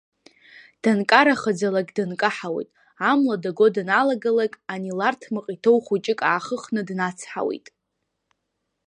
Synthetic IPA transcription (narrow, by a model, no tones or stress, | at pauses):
d̥ankʼaɾaχəd͡zalaɡʼdankʼaħawḛjtʼ | amladaɡo̞dnalaɡalakʼanilartʰmɨqʼitʰowχut͡ʃʼɪkʼaːχəχnɨdnat͡sʰħa̰wḛjtʼ